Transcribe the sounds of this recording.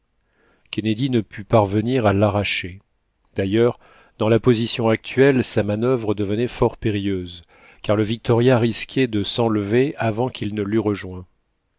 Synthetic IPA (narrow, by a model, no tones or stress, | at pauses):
kʲɛned̪inəpʰypaʁvəniʁalaʁaʃe | d̪ajœʁ | d̪̥ɑ̃lapozisjɔ̃ak̚t̪ʰɥɛlsamanœvʁəd̪əvənɛfɔʁpeʁijøz | kaʁləvik̚t̪ɔʁjaʁiskʲʰɛd̪əsɑ̃ləveavɑ̃kʰʲilnəlyʁəʒwɛ̃